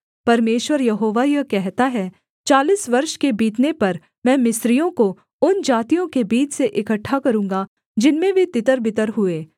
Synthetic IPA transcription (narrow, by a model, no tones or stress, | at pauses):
pɐɾmeːʃwəɾjɐɦoːʋajɐkɛɦt̪aɦɛ | t͡ʃaːliːsʋɐɾʃkebiːt̪nepɐɾ | mɛ̃ːmɪsɾijõko | ʊnd͡ʒaːt̪ijõkebiːt͡ʃseʔɪkəʈʰːakɐɾũːŋ̆ɡa | d͡ʒɪnmẽbʱit̪ɪt̪əɾbɪt̪əɾɦʊeː